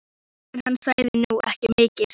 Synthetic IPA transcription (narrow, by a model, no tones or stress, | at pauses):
ɛnhanːsaːjðɪnuɛ̰hcɪmɪːcɪð̥